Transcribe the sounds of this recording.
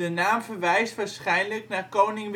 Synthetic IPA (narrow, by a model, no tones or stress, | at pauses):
ənaːmvəɹʋɛjstʋaːɹsχɛjnləknaːɹkownɪŋʋ